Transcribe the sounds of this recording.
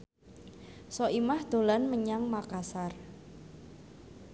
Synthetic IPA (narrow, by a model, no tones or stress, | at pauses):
sɔimahd̪̥o̤lanməɲaŋmakasar